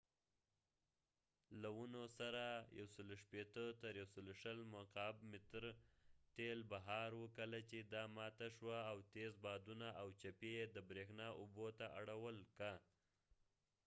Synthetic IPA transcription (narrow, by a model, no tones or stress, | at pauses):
lawunosaɾaja̰wsəloʃpet̪ət̪əɾjawsəloʃəlmʊqɑbmɪt̪ɾt̪elbaɦɑɾwəkəlat͡ʃed̪ɑmɑt̪aʃwaːwt̪ezbɑd̪unaʔawt͡ʃapeed̪əbɾexnɑʔʊbot̪aʔaɽawəlka